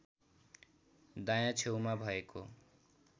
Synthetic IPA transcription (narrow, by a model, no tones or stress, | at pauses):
d̪ajãt͡sʰewmabʱʌeko